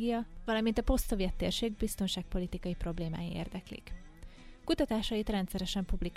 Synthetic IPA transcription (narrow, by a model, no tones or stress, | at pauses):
ɡijɒvɒlɒmint̪ɒpo̞st̪sovjɛt̪ːeːrʃeːɡ̚bist̪o̞nʃaːk̚po̞lit̪ikɒjipro̞bleːma̰ːjiḛːrd̪ɛklḭk | kut̪ɒt̪aːʃɒjit̪rɛnt̪sɛɾɛʃɛmpublik